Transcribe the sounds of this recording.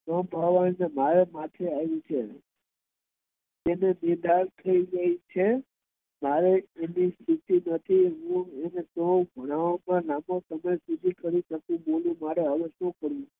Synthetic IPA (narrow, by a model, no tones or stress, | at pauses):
səmbʱaʋannemaɾemat̪ʰeajũt͡ʃʰe | d͡ʒenemiɾd̪aɾt̪ʰəiɡəɦit͡ʃʰe | maɾeːnist̪ʰit̪inət̪ʰiɦũenesobʱəɽ̃aʋamãlamosəməjsud͡ʒ̪ʱikəɾiʃəkũbolũmaɾeaʋəʃnõkəɾũ